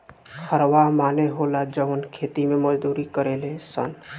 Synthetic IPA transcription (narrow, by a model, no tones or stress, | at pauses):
kʰəɾʋamaːneɦolad͡ʒəʋənkʰeːt̪imẽməd͡ʒd̪uːɾikəɾelesə̰n